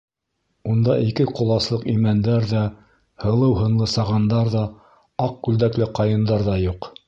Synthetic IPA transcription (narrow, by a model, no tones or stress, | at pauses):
und̪ɑʔikɘqŏlˠɑslˠɤqimænd̪æɾðæ | hɤ̆lˠɤwɦɤ̆nlˠɤsɑʁɑnd̪ɑɾðɑ | ɑq̚kʉld̪æklɘqɑjɤ̆nd̪ɑɾðɑjuq